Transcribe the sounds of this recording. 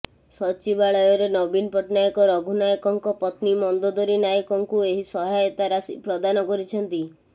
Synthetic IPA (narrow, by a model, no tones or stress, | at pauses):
sɔt͡ʃibaɭɔjɔɾenɔbinpɔʈnajɔkɔɾɔɡʱunajɔkɔŋkɔpɔt̪nimɔnd̪ɔd̪ɔɾinajɔkɔŋkueɦisɔɦajɔt̪aɾasipɾɔd̪anɔkɔɾit͡ʃʰɔnt̪i